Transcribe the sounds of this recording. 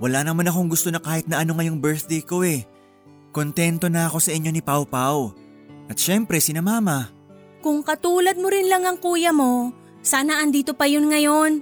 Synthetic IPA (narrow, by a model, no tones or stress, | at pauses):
wɐlaːnɐmanɐko̞ŋɡʊst̪o̞nɐkaːhɪt̪nɐʔɐno̞ŋɐjo̞ŋbɛɹθd̪ejko̞ʔɛ | ko̞nt̪ɛnt̪o̞nɐɐko̞sɐʔɪɲːo̞nɪpawpaw | ʔɐt̪̚ʃɛmpɾɛsɪnɐmaːmɐ | kʊŋkɐt̪uːlɐd̪̚mo̞ɾɪnlɐŋɐŋkuːjɐmo̞ | saːnɐʔɐnd̪iːt̪o̞pɐjonŋɐjo̞n